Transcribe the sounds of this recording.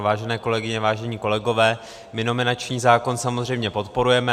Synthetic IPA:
vaːʒɛnɛːko̞lɛɡɪɲɛvaːʒɛɲiːko̞lɛɡo̞vɛː | mɪno̞mɪnat͡ʃɲiːzaːko̞nsamozrɛjmɲɛpo̞t̪po̞ɾujɛmɛ

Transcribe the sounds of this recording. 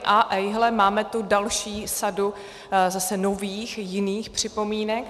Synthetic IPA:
ʔaʔɛjɦlɛmaːmɛt̪udalʃiːsadu | zasɛnoviːxjɪniːxpr̝̥ɪpo̞miːnɛk̚

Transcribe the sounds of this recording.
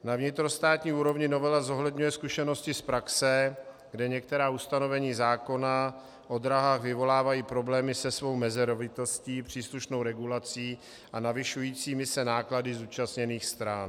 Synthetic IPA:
navɲɪt̪ɾo̞st̪aːt̪ɲiːuːɾo̞vɲɪno̞vɛlazo̞ɦlɛdɲujɛskuʃɛno̞scɪspɾaksɛ | ɡdɛɲɛk̚t̪ɛɾaːust̪ano̞vɛɲiːzaːko̞na | ʔo̞d̪ɾaɦaːxvɪvo̞laːvajiːpɾo̞blɛːmɪsɛsvo̞wmɛzɛɾovɪt̪ɛsciːpr̝̥iːsluʃno̞wɾɛɡulat͡siː | ʔanavɪʃujiːt͡siːmɪsɛnaːkladɪzuːt͡ʃastɲɛniːxst̪ɾan

